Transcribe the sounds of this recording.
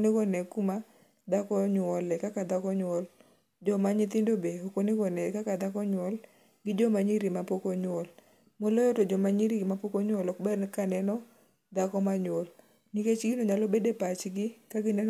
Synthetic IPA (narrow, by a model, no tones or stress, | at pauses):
nɪkɔnɛkuma | d̪akɔɲwɔlɛkakad̪akɔɲwɔl | d͡ʒɔmaɲɪt̪ɪndobeokonɪɡɔnɛkakad̪akɔɲwɔl | ɡɪd͡ʒɔmaɲiɾimapokoɲwɔl | molɔjɔtod͡ʒɔmaɲiɾiɡmapokoɲwɔlɔkbɛrnkanɛnɔ | d̪akɔmaɲwɔl | niket͡ʃɡɪnoɲalɔbedepat͡ʃɡɪkaɡɪnɛ